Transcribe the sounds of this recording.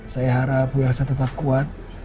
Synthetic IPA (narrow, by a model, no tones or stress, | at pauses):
sajaɦaɾapujarsat̪ət̪ap̚kuat̪̚